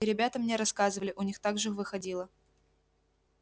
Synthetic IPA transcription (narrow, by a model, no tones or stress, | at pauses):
ɪɾʲɪbʲat̪əmnʲeɾɐskazɨvəlʲɪʔʊnʲixt̪aɡʐɨɨxvɨxɐdʲilˠə